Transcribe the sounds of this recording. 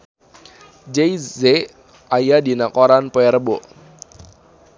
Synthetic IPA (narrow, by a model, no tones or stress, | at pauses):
d͡ʒejze | ajadinakoɾanpoɛɾəbɔʔ